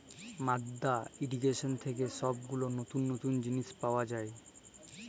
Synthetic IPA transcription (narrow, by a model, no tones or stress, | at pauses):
mad̪ːaiɖikeʃont̪ʰek̬eʃɔb̚ɡulonot̪unːot̪und͡ʑiniʃpaoad͡ʑae